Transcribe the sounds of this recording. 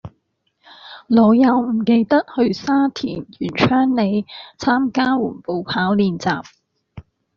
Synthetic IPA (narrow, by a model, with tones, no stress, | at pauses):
lɔː˨˧jɐ˨˧wm̩˨˩ke˧jt̪ɐ˥t̚hɵ˧ɥsaː˥t̪ʰḭː˨˩njy̰ː˨˩nt͡ʃʰœː˥ŋne˨˧jt͡sʰaː˥mkaː˥wuː˨˩npo˨wpʰaː˨˥wliː˨nt͡saː˨p̚